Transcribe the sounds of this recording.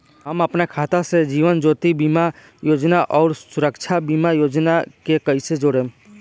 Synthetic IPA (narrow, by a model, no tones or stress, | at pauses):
ɦəməpnekʰaːt̪ased͡ʒiːʋənd͡ʒoːt̪ibiːma | joːd͡ʒnaʔɔːɾsʊɾəkt͡ʃʰabiːmajoːd͡ʒnakekəised͡ʒoɽẽː